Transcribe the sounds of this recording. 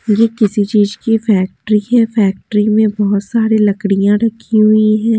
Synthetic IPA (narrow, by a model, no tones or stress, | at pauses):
jekɪsit͡ʃiːzkifɛːk̚ʈɾiɦɛːfɛːk̚ʈɾimẽbɔɦʊt̪saːɾilɐkɽijãɾɐkʰiɦʊiɦɛ̃ː